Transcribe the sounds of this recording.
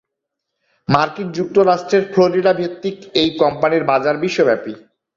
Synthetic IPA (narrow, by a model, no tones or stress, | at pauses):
maɾkind͡ʑuk̚t̪oɾaʃʈɾeɾfʰloɾiʈabʱit̪ːikejkɔmpaniɾbad͡ʑaɾbiʃːobɛpi